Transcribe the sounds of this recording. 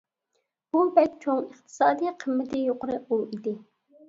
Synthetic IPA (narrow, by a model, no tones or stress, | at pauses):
b̥ubɛk̪̚ʲt͡ʃʰoŋəχt̪ʰɨ̥sɑːd̪ijqʰəmːɪt̪ʰɪjoqəɾɨulˠid̪ɪ